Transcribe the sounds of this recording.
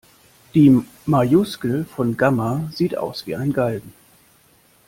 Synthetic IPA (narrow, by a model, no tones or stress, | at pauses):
d̥iː | majʊskl̩fɔnɡamaz̥iːtʔa̰ʊsv̥ḭːaɪnɡaldn̩